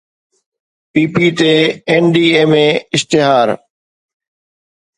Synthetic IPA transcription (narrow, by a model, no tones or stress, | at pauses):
piːpiːt̪eenɖiːeːmẽɪst̪ɪɦaːɾ